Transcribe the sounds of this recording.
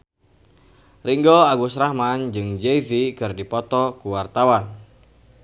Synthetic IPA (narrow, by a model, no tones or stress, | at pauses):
riŋɡɔaɡusɾahmand͡ʒɨŋd͡ʒezikɨrdipɔt̪ɔkuwart̪awan